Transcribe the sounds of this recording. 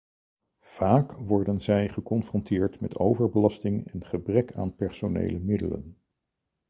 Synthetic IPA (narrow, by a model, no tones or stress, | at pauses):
v̥aːkʋɔɹdənzɛjχəkɔnfrɔntɪːɹtmɛtʰowvəɹbəlɑstɪŋɛnχəbrɛka̰ːnpɛɹsonḛjləmɪdələ̰n